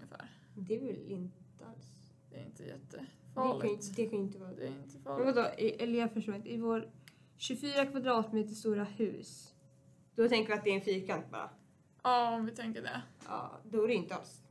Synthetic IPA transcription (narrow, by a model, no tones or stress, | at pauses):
ŋəfæ̰ːɾ | d̪ɛvɪlɪnt̪ | əa̰ls | ɪ̰nt̪ʰəjɛ̰t̪ːəfd̪ɛkʰad̪ɛkʰanjɪnt̪ːəvɑːɾɪnt̪əmɛnvad̪oːʔɪʔɛlafœʂʈoːɾɪnt̪əɪvoːɾ | ɕɵfyːɾakʰvad̪ɾɑːt̪meːt̪əst̪uːɾahʉ̟̰ːs | d̪̥ɔt̪ʰɛŋkəvɪat̪d̪ɛːɾɛnfiːkʰant̪̚bɑ̰ːɾa̰ | ɑɔmvɪt̪ʰɛŋkəɖɛ̰ɑ̰ːd̪ɔɾɛjʏnt̪əa̰ls